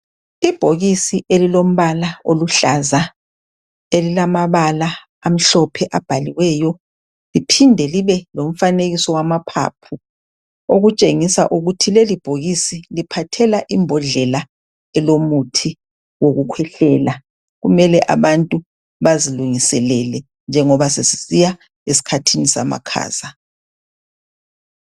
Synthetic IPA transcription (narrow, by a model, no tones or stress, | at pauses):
ib̥ʱoɣisiʔelilom̩βalaoluɬaza | elilamaβala | am̩ɬɔpʰɛʔab̥ʱaliwɛjɔ | lipʰindʱɛliβɛlom̩faneɣisɔwamapʰa̰pʰu | oɣut͡ʃʼeŋisa̰ʔuɣutʰilelib̥ʱoɣisilipʰatʰɛlaʔimbʱɔɮɛla | ɛlomutʰi | woɣukʰwɛɬɛːla | ɣumɛlɛʔa̰βantʼu | βaziluŋisɛlɛlɛ | nd͡ʒʱɛŋɔβasesisija | esi̥kʰatʰinisa̰ma̰kʰa̰ːz̥a